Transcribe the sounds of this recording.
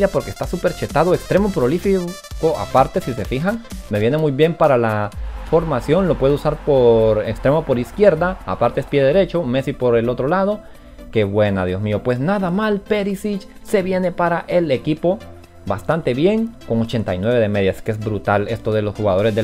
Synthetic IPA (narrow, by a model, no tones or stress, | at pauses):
japo̞ɾke̥st̪asupe̞ɾt͡ʃe̞t̪aðoekst̪ɾe̞mo̞pɾo̞lifi | koʔa̰paɾt̪e̞sise̞fixaŋme̞βje̞nemujβje̞mpaɾalafo̞ɾmasjo̞nlo̞pwe̞ðousaɾpoɾekst̪ɾe̞mopo̞ɾiskje̞ɾd̪aːa̰paɾt̪eespjeðeɾe̞t͡ʃo̞me̞sipo̞ɾe̞lo̞t̪ɾo̞lað̞o̞ | ke̞βwe̞nað̞jo̞smio̞pwe̞snaðamalpe̞ɾisit͡ʃse̞βje̞ne̞paɾaʔe̞le̞kipo̞ | bast̪ant̪e̞βje̞ŋko̞ŋot͡ʃe̞nt̪ajnwe̞β̞e̞ðe̞me̞ðjaskeezbɾut̪ale̞st̪oðe̞lo̞sxuɣaðo̞ɾe̞zd̪e